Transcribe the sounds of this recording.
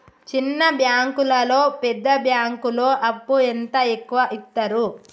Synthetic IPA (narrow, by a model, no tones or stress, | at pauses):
t͡ʃinːɐbjaːŋkulɐlo̞ːpɛd̪ːɐbjaːŋkulo̞ːʔɐpːuent̪ɐekːuʋɐʔit̪ːɐɾu